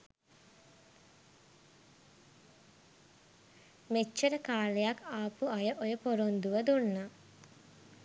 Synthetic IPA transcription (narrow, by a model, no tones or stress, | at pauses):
met͡ʃːəɾəkaːlejakaːpuajəʔojəpoɾond̪uʋəd̪unːə